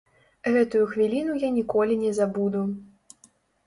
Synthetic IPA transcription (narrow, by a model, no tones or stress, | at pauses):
ɣɛt̪ujuxvʲilʲin̪ujanʲikɔlʲinʲɛzabud̪u